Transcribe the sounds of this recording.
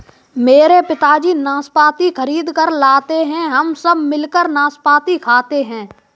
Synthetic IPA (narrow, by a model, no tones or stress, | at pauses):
meːɾepɪt̪aːd͡ʒiːnãːspaːt̪ikʰəɾiːd̪kəɾlaːt̪eɦɛ̃ɦɐmsəbʱmɪlkəɾnãːspaːt̪ikʰaːt̪eɦɛ̃ː